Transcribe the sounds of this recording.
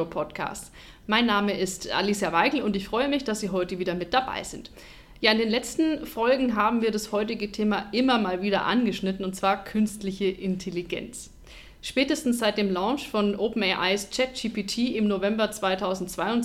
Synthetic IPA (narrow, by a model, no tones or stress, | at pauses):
pʰɔtkʰa̰ːst | maɪnːaːməɪstʔa̰lisjavaɪɡl̩ʊntɪçfʁ̥ɔʏəmɪçd̥asz̥iːɦɔʏtəviːdɐmɪt̚d̥aba̰ɪzɪnt | jaːɪndeːnlɛt͡stn̩fɔlɡŋ̩ɦaːbm̩viːɐɾashɔʏtɪɡətʰeːmaʔɪmɐmaːlviːɾɐ̰ʔa̰nɡəʃnɪtn̩ʊntt͡sv̥aːɐkʰʏnstlɪçəʔɪntʰeliɡɛ̰nt͡s | ʃpɛːtəstn̩sz̥aɪt̚d̥eːmlãʊʃfɔnʔoːpn̩ɛʔa̰ɪst͡ʃɛt̚d͡ʒiːpiːtʰiːʔɪmnovɛmbɐt͡sv̥aɪtʰaʊzn̩tt͡sv̥aɪʊn